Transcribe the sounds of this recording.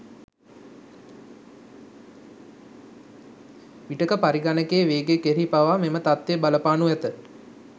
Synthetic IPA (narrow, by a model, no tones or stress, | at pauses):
ʋiʈəkəpaɾiɡanəkeəʋeːɡekeɾipaʋamemət̪at̪ʋebaləpaːnuɛt̪ə